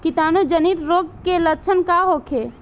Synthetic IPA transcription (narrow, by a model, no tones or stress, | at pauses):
kit̪aːnud͡ʒənit̪ɾoɡ̚kelət͡ʃʰənkaɦokʰe